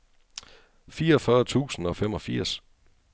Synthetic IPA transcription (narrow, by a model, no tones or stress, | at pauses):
fiːɐɒfɶːɐt͡sʰṵːsn̩ɒ̽femɒ̽fiɐ̰s